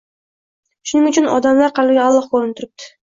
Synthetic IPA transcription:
ʃʊnɪŋʊt͡ʃʰɪnɒ̰d̪amlˠɑɾqʰɑlɪɡʲɑlˠːɑqʰoɾɪnt̪ʰʊɾɪp̚t̪ʰɪ̥

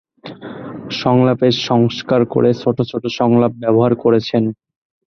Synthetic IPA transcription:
ʃɔŋlapeʃɔŋskaɾko̰ɾet͡ɕʰoʈʰot͡ɕʰoʈʰoʃɔŋlap̚bɛboɦaɾkoɾet͡ɕʰen

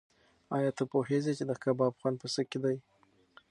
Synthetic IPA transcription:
ɑjɑt̪əpohezet͡ʃed̪əkabɑbxwand̪̚pəsəked̪aj

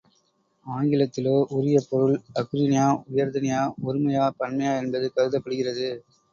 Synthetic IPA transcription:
aːŋɡɪlɐt̪ːɪloːʔʊɾɪjɐpɔɾɯɭɐkʊɾɪnɪjaːʊjɐɾðɐnɪjaːɔɾɯmɐjaːpɐɳmɐjaːɛnbɐðɯkɐɾɯðɐpːɐɽɯɣɪrɐðɯ

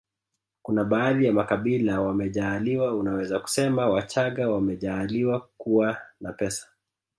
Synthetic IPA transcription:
kunaɓaːðijamakaɓilawamɛʄaːliwaunawɛzaku̥sɛmawat͡ʃaɠawamɛʄaːliwakuwanapɛsḁ

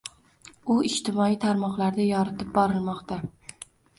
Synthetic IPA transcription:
ʊɪʃt̪ʰɪmɒit̪ʰaɾmɒqlˠaɾd̪ajɒɾɪt̪ʰɪp̚bɒɾɪlˠmɒqt̪a

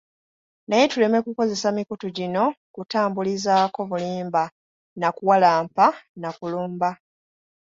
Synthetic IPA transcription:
naje̞tule̞me̞kuko̞ze̞samikutuɟino̞kutaːmbulizaːko̞βuliːmba | nakuwalaːmpanakuluːmba

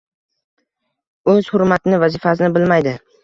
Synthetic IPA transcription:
ɵz̥hʊɾmat̪ɪnɪvazɪfas̬ɪnɪbɪlmajd̪ɪ

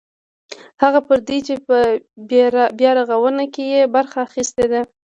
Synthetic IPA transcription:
haɣapəɾd̪it͡ʃepə | bjɑɾaɣawənakejebaɾxaːxist̪ed̪a

